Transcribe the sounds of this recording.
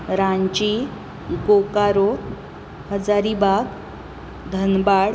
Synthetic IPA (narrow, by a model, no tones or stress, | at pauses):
ɾãɲt͡ɕi | ɡokaɾo | həd͡zaɾibaɡ | d̪ʱənbaɽ